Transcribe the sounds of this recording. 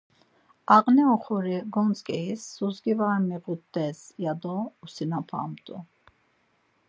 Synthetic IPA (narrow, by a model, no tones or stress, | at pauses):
aqnɛɔχɔɾiɡɔnt͡skʼɛisːuzɡivaɾmɛʁut̪ːɛsjad̪ɔusinapʰa̰mt̪ʼṵ